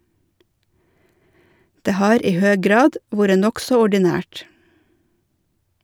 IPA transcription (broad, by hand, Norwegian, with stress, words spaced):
ˈdeː ˈhɑːɾ ˈiː ˈhøː ˈɡɾɑːd ˈʋuːɾə ˈnɔksɔ ɔɖɪˈnæːʈ